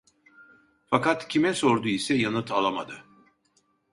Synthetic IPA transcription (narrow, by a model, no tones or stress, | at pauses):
fakat̪cʰimɛsoɾd̪uisɛjanɯt̪ʰalˠama̰d̪ɯ